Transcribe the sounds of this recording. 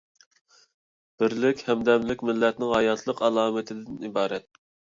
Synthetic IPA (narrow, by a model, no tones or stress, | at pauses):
b̥ɪɾlɪkʲhɛmd̪ɛmlɪkʲmɪlːɛt̪nɪŋhɑjɑt̪ʰlˠəqɑlˠɑːmɪt̪ʰɪd̪ɪnibɑːɾɛt̪̚